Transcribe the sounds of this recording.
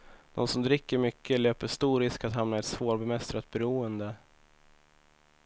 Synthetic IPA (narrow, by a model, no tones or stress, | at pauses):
d̪ɔ̰nsɔmd̪ɾɪkːəɾmʏkʰːəløːpəʂt̪uːɾɪskat̪ɦamnaɛt̪svoːɾbɛmɛst̪ɾat̪̚bɛɾuːənd̪ə